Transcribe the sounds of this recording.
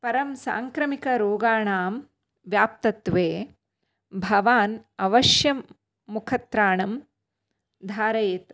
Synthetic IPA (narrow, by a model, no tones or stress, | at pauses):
pɐɾɐmsa̰ːŋkɾɐmikɐɾoːɡaːɳaːm | ʋjaːp̚t̪ɐt̪ʋeː | bʱɐʋaːnɐʋɐʃjɐmː | ukʰɐt̪ɾaːɳɐm | d̪ʱaːɾɐjt̪